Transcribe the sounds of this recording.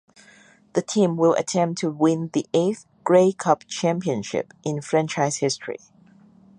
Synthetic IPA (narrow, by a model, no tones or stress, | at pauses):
ðətʰĩmwɪlˠʔə̰tʰɛ̃mp̚tʰəwɪ̃nðiʔeθ | ɡ̥ɹeɪkʰʌp̚t͡ʃʰæ̃mpiə̃nʃɪ̰pʔɪ̃nfɹɛ̃nt͡ʃaɪz̥hɪstʰɹ̥ḭ